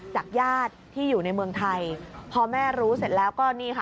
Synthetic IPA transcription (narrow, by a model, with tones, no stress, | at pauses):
t͡ɕaː˨˩k̚jaː˥˩t̪̚ʰːiː˥˩juː˨˩na˧jmɯ˧əŋt̪ʰa˧jpʰɔː˧mɛː˥˩ɾuː˦˥se˨˩t̪̚lɛː˦˥wkɔː˥˩niː˥˩kʰa˥˩